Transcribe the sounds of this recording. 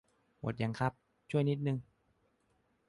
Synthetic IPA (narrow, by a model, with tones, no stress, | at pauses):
mṵ˨˩t̪̚ja˧˩ŋkʰa˦˥p̚ | t͡ɕʰu˥˩əjni˦˥t̪̚nɯ˧ŋ